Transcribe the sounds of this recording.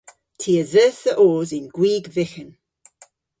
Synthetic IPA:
tʰiːəzəːθəʔoːzɪnɡwiːɡvɪxən

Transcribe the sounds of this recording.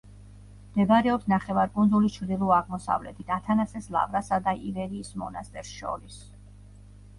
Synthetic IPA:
md̪ɛbɾɛɔpsnaχɛvaɾkʼund̪zulist͡ʃʰɾd̪ilˠuaʁmɔsa̰vlɛ̰t̪ʰit̪ʰat̪ʰanasɛsla̰vɾasad̪aʔivɛɾiːsmɔ̰na̰st̪ʼɛɾsʃɔ̰ɾis

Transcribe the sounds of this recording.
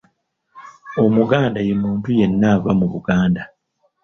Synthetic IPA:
o̞muɡaːndajemuːntuje̞nːavamuβuɡaːnda

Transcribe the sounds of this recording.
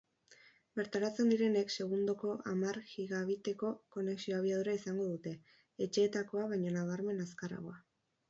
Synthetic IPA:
be̞ɾt̪aɾat͡se̞nd̪iɾe̞ne̞kse̞ɣ̞und̪oko̞ʔamaɾɣiɣaβ̞it̪e̞ko̞ko̞ne̞ksio̞aβiaðuɾaisaŋɡo̞ðut̪e̞ː | t͡ʃe̞ːt̪ako̞aβ̞ajɲo̞naβ̞aɾme̞naskara̰ɣo̞a

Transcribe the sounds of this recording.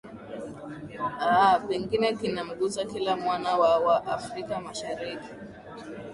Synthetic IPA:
apɛŋɡinɛkinam̩ɠuzakilamwanawawaʔafɾikamaʃaɾiki̥

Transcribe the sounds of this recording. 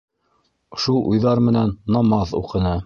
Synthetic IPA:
ʃulˠʔṵjðɑɾmɘ̆nænːɑmɑðṵqɤ̆nɤ

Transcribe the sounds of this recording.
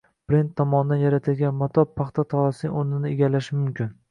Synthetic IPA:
pɾent̪ʰːɒmɒnɪd̪anjaɾat̪ʰɪlɡʲanmɒt̪ʰɒpʰːɑχt̪ʰat̪ʰɒɾasɪonɪnɪeɡʲalaʃɪmʊmkʲʰɪn

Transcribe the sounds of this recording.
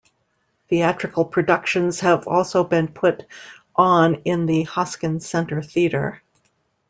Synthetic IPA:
θiæt͡ʃɹ̥ɨkl̩ˠpʰɹ̥ɨdʌkʃɨ̃nz̥ɨvɔ̰lˠsoʊbɨ̃npʰʊɾ | ʔn̩ɪ̃nðɨhɑskɨ̃nsɛ̃ntə˞θiɾə̰˞

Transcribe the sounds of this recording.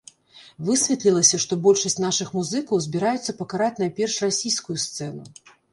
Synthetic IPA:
vɨsʲvʲɛt̪lʲilˠɐsʲɐʂt̪ɔbɔlʲʂɐsʲtt͡sʲnaʂɨxmuzɨkɐwzʲbʲiɾajut̪sːɐpɐkaɾat͡sʲnɐpʲɛrʂrasʲijskujust̪sɛnu

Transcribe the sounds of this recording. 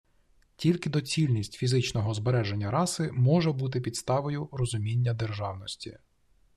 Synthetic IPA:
tʲilʲkɪd̪ɔt͡sʲilʲnʲisʲtʲfʲizɪt͡ʃnɔɦɔzbeɾɛʒenʲːɐɾɑsɪmɔʒɛbut̪̬ɪpʲid̪st̪ɑʋɔjʊɾɔzʊmʲinʲːɐd̪erʒɑwnɔsʲtʲḭ

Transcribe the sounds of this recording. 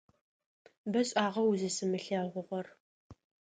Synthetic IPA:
bɐɕʼaːʁɐwuzɨsɨmɨɬaːʁʷʊʁʷɔr

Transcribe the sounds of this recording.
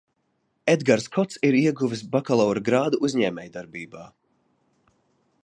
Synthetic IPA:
ɛd̪ɡaɾskʰɔt̪siɾiɛɡuvʲisbakalˠɔwɾɡɾaːd̪uʔuzʲɲɛːmʲɛːjd̪aɾbiːbaː

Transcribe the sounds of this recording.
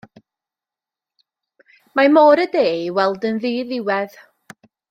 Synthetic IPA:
mamoːɾədeːwɛlˠdənðiːðɪwɛð̥

